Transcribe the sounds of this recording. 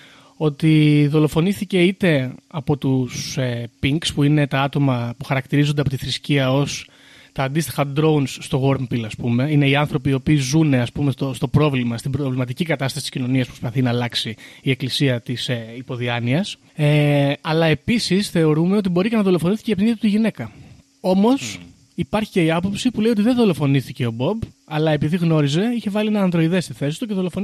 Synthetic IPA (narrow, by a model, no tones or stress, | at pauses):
o̞t̪iðo̞lo̞fo̞nisθice̞it̪e̞ɐpo̞t̪usepiŋkspuine̞t̪ɐɐt̪o̞mɐpuxɐɾɐkt̪iɾizo̞nd̪ɐpo̞t̪iθɾisciɐo̞s | t̪ɐːnd̪ist̪i̥xɐd̪ɾo̞unsːt̪o̞ɣo̞ɾmpilɐspume̞ine̞iɐnθɾo̞piːo̞piːzune̞ɐspumest̪ost̪o̞pɾo̞vlimɐst̪ibɾo̞vlimɐt̪̬icikɐt̪ɐst̪ɐsit̪i̥scino̞niɐspɾospɐθinɐːlɐksiie̞klisiɐt̪isipo̞ðiɐniɐs | eɐlɐe̞pisisθe̞o̞ɾume̞o̞t̪ibo̞ɾicenɐðo̞lo̞fo̞niθicepniðiɐt̪ut̪iʝine̞kɐ | o̞mo̞s | ipɐɾçiceiɐpo̞psipule̞io̞t̪iðeðo̞lo̞fo̞niθice̞o̞bo̞b | ɐlɐe̞piðiɣno̞ɾize̞içe̞vɐlienɐːnðɾo̞iðe̞st̪iθe̞si̥t̪uceðo̞lofon